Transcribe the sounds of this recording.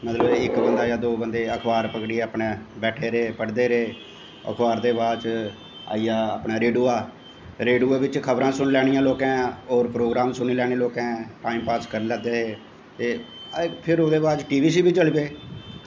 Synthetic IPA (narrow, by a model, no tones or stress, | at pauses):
mət̪ləbɪkbənd̪aːjaːd̪oːbənd̪eːəkʰbaːɾpəkɽiɛaːpɳẽːbɛːʈʰeːɾeːpəɽd̪eːɾeː | ə̰kʰbaːɾd̪eːbaːt͡ʃ | a̰ːijaːaːpnaːɾeːɖuːaː | ɾeːɖuːaːbɪt͡ʃkʰəbɾãːsʊɳlɛːɽijãːloːkɛ̃ːoːɾpɾoːɡɾaːmsʊniːlɛːɽ̃eːloːkɛ̃ːʈaːimpaːskəɾnləɡd̪eːɦeː | t̪eː | pʰɪɾoːd̪eːbaːt͡ʃʈiːbiːs̬iːbiːt͡ʃəlbeː